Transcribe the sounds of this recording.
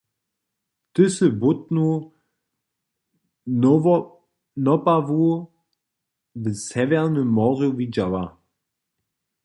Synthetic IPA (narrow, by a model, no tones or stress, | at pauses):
d̥ʏsəbʊtnu | nɔpavu | ðəsɛvɛʁnəmɔʁjovid͡ʒawa